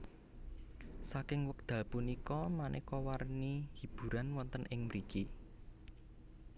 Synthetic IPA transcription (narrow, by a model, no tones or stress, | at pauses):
sakɪŋwək̚d̪̥a̤lpunikɔmanʔɛ̰kɔwarnihi̤b̥ṳɾanwɔnt̪ənʔɪŋmɾiɡe